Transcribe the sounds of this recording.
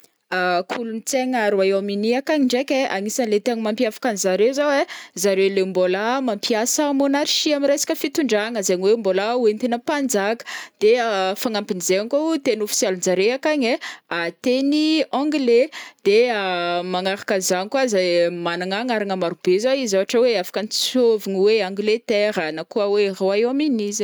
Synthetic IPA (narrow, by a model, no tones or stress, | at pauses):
akʰulunit͡seŋaɾuajaminiakaɲiɳɖ͡ʐekʲeʔaŋisənlet̪eaɲmampiafḁkanzaɾewzawezaɾelembolamampiasamonaɾiʃiamiɾejsi̥kʲəfit̪uɳɖ͡ʐaŋəzaɲiwembolauwent̪enəpand͡zakə̥d̪̥eəfaŋampinizeaŋkot̪enofi̥sjalund͡zaɾeakaɲeat̪eniɔ̃ŋɡled̪̥eəmaŋaɾakəzanikwazajmanaŋaŋaɾaŋəmaɾub̥ezaizaaʈ͡ʂəweafḁkənit͡soviniweãŋɡlet̪ɛɾənakuəweroaewaminiz